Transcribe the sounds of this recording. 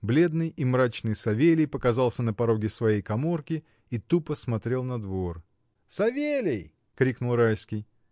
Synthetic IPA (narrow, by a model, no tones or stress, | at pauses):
blʲe̞d̪nɨjimɾat͡ɕnɨjsɐvʲelʲɪjpəkɐzɑlˠsʲənəpɐɾo̞ɡʲɪsvɐjejkɐmo̞rkʲɪ | it̪upəsmɐt̪ɾʲe̞lˠnɐd̪vo̞r | sɐvʲelʲɪj | kɾʲiknʊlˠrajskʲɪj